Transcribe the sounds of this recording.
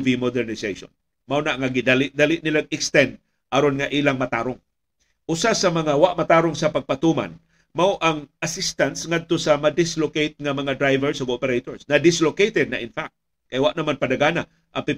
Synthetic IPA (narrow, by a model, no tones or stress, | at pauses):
vimod̪ɛɾnɪsejʃo̰n | mawnaʔŋaɡɪd̪alɪʔd̪alɪʔnɪlaɡ̚ɪkst̪ɛnd̪̚ | ʔɐɾonŋaʔiːlaŋmat̪aːɾoŋ | ʔʊsasɐmɐŋawaʔmat̪aːɾoŋsɐpaɡ̚pat̪uma̰n | mawʔaŋʔasɪst̪ansŋad̪̚t̪osɐmad̪ɪslokejt̪̚ŋamɐŋad̪ɾajvɛɹsoɡopɛɾejt̪oɹsnɐd̪ɪslokejt̪ɛd̪̚naʔɪnfak̚t̪ | kajwaʔnɐmanpad̪aɡaːna | ʔapɪ